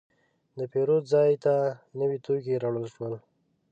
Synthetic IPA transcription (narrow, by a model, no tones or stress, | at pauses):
d̪əpeɾod̪zɑjt̪anəwit̪ok̬iɾaɽəlʃwəl